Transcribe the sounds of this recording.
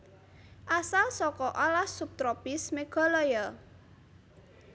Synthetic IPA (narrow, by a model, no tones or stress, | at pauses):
ʔasalsɔkɔʔɔlahsup̚t̪ɾɔpɪsmeɡ̥ɔ̤lɔjɔ